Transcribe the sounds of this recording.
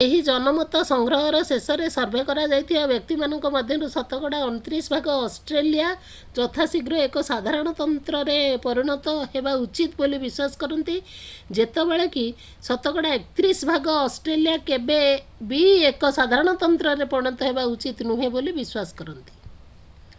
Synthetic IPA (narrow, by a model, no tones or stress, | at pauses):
eɦid͡ʒɔnɔmɔt̪ɔsɔŋɡɾɔɦɔɾɔsesɔɾesɔɾbʱekɔɾad͡ʒajt̪ʰibabjɔk̚t̪imanɔŋkɔmad̪ʱjɔɾusɔt̪ɔkɔɽaɔnt̪ɾisbʱaɡɔːsʈɾelija | d͡ʒɔt̪ʰasiɡɾɔekɔsad̪ʱaɾɔɽ̃ɔt̪ɔnt̪ɾɔɾepɔɾiɽ̃ɔt̪ɔɦebaut͡ʃit̪bolibiswasɔ̥kɔɾɔnt̪id͡ʒet̪ɔbeɭeki | sɔt̪ɔkɔɽaek̚t̪ɾisbʱaɡɔːsʈɾelijakebe | biekɔsad̪ʱaɾɔɽ̃ɔt̪ɔnt̪ɾɔɾepɔɽ̃ɔnt̪ɔɦebaut͡ʃit̪nuɦebolibiswasɔ̥kɔɾɔnt̪i̥